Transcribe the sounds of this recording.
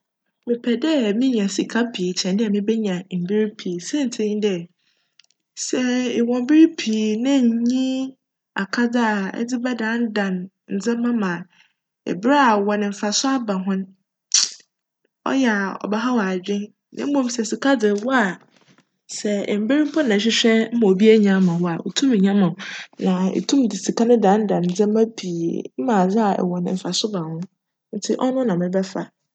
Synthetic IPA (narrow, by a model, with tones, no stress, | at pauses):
mɪ̃˨pʰɛ˨dɛ˦mĩ˦ɲã˨si˨kʰa˦pʰi˨t͡ɕʰɛ̃˨ndɪ˦ɛ˨mɪ̃˦bɛ˦ɲã˨m̩˨bɪ˦ɾi˦pʰi˨sɛ̃˦n̩˨tʰɪ̃˦ɲ˦dɛ˨ | sɛ˨ɪ˨wɔ̃˨m˦bɪ˦ɾi˦pʰiː˨nɪ̃˦ɲ˨ɲĩ˦ | a˨kʰa˦d͡zɪ˦a˨ɛ̰˦d͡zɪ˦bɛ˦dã˨˦n˦dã˨n | n̩˨d͡zã˦mã˦mã˨ | ɛ̰˨bɪ˦ɾɛ˦a˨wɔ˨nɪ̃˨m̩˨fa˨sʊ˦a˦bã˨ɦʊ̃˦n˦ | ɔ̰˦jɛ˨a˨ɔ̰˨bɛ˦ɦa˦wa˨d͡ʑᶣɪ̃˦n | nʔã̰˦m̩˦mõ˦msɛ˨si˨kʰa˦d͡zɪ˨wɔ˦a˨ | sɛ˨m̩˦be˦ɾĩ˦m˦pʰɔ˦nã˨ɕ̬ᶣɪ˦ɕᶣɛ˦m̩˦mã˨o˨bi˦æ˦ɲã˦mã˨wɔ˦a˨o̰˨tʰũ˦m˨ɲã˦mã˨nã˨ḛ˨tʰũ˦m˨dɪ˨si˨ka˦nʊ̃˦dã˨˦n˦dã˨n˨n̩˨d͡zɛ̃˦mː˦ã˦pʰi˨ḛ˨m̩˦mã˨d͡za˦a˨ɛ̰˨wɔ̃˨nɪ̰̃˨m̩˨fa˨sʊ˦bã˨hʊ̃˦ | n̩˦tʰɪ̰˦ʔɔ˦nʊ̃˦nã˨mɪ̃˨bɛ˦fa˨